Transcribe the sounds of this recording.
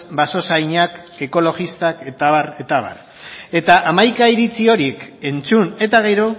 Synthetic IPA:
baso̞sajɲake̞ko̞lo̞ɣist̪aket̪aβaɾet̪aβa̰ɾ | e̞t̪aʔamajkaiɾit͡sio̞ɾike̞nt͡sune̞t̪aɣe̞ɾo

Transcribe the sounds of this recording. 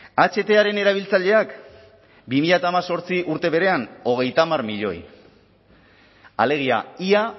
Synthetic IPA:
at͡ʃe̞t̪e̞aɾe̞ne̞ɾaβ̞ilt͡saʎe̞ak | bimiʎat̪aːmaso̞ɾt͡siʔuɾt̪e̞β̞e̞ɾe̞ano̞ɣ̞e̞jt̪amarmiʎo̞̰j | a̰le̞ɣ̞ia̰ia

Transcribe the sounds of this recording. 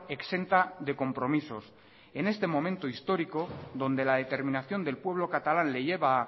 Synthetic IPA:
e̞kse̞nt̪aðe̞ko̞mpɾo̞miso̞s | e̞ne̞st̪e̞mo̞mẽnt̪oist̪o̞ɾiko̞ðo̞nd̪e̞laðe̞t̪e̞ɾmĩnaθjo̞nd̪e̞lpwe̞β̞lo̞kat̪alanle̞ʝe̞βa

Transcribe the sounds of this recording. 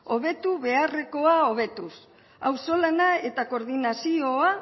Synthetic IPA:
o̞βe̞t̪uβe̞are̞ko̞ao̞β̞e̞t̪us | awso̞lanae̞t̪ako̞ɾðinasio̞a

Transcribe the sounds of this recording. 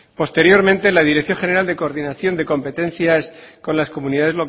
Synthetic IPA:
po̞st̪e̞ɾjo̞ɾmẽnt̪e̞lað̞iɾekθjo̞ŋχe̞ne̞ɾald̪e̞koːɾðinaθjo̞nd̪e̞ko̞mpe̞t̪e̞n̟θjasko̞nlasko̞mũniðaðe̞zlo̞k

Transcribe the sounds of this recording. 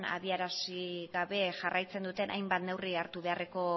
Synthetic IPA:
na̰βiaɾasiɣaβe̞ʝarajt͡se̞nd̪ut̪e̞nʔa̰jmbat̪ne̞wriaɾt̪uβe̞are̞ko̞

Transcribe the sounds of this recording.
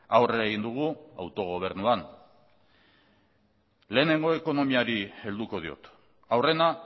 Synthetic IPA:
awreaeɣind̪uɣ̞ua̰wt̪o̞ɣ̞o̞β̞e̞ɾnuan | le̞ːne̞ŋɡo̞e̞ko̞no̞miaɾie̞ld̪uko̞ð̞io̞̰t̪ | awre̞na

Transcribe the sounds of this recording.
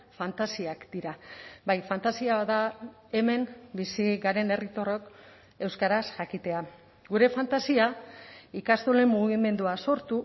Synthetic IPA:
fant̪asiakd̪̥iɾabajfant̪asiaβaða | e̞me̞mbisiɣaɾe̞ne̞rit̪o̞ro̞k | e̞wskaɾasʝakit̪e̞a | ɡuɾe̞fant̪asiaikast̪ole̞mːuɣime̞nd̪uaso̞ɾt̪u

